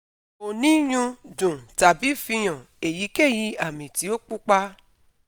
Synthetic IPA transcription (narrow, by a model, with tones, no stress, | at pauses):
o˨nĩ˦j̃ũ˧dũ˨ta˨bi˨˦fi˧j̃ã˨ | e˨ji˨˦ke˦˨ji˧˦a˦˨mĩ˨ti˨˦o˦k͡pu˦k͡pa˦